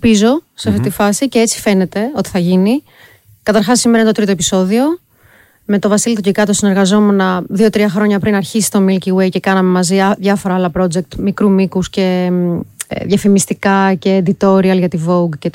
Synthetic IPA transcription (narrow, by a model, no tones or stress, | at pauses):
pizo̞seɐft̪it̪ifɐsicee̞t͡si̥fe̞ne̞t̪e̞o̞t̪i̥θɐʝini | kɐt̪ɐɾxɐsːimeɾɐent̪ot̪ɾit̪o̞epi̥so̞ðio̞ | me̞t̪o̞vɐsilit̪ocikɐt̪osine̞ɾɣɐzo̞me̞nɐðio̞t̪ɾiɐxɾo̞ɲɐpɾinɐɾçisi̥t̪o̞milciwejce̞kɐnɐme̞mɐziɐðʝɐfo̞ɾɐɐlɐpɾo̞d͡ze̞k̚t̪mikɾumikusce̞̰ | ðʝɐfimist̪ikɐce̞ːd̪it̪o̞ɾiɐlʝɐt̪ivo̞ɡce